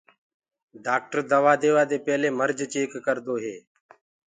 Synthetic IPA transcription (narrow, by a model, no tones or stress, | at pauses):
ɖaːk̚ʈəɾd̪əʋaːd̪eːʋaːd̪eːpɛːleːməɾd͡ʒt͡ʃeːkːəɾd̪oːɦeː